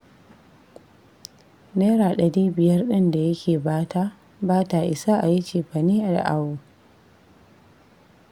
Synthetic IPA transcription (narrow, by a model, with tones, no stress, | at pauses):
neː˦ɾaː˨ɗɐ˨ɽiː˦bɪ˨jɐ˦rɗɪ˦nda˨jɐ˦kʲʰeː˨baː˦tʰa˦ | baː˦ta˨ʔɪ˨sa˦ʔa˨ji˦t͡ʃeː˨ɸa˨neː˦ʔa˨da̰˨ʔa˨woː˨